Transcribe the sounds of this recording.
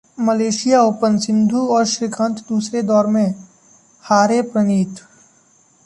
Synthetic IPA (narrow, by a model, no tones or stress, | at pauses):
məleːʃɪjaʊpə̃nsɪ̃nd̪ʱuɔːɾʃɪkʰə̃nt̪ʰd̪uːsɾed̪ɔːɾmẽ | haːɾepɾəniːt̪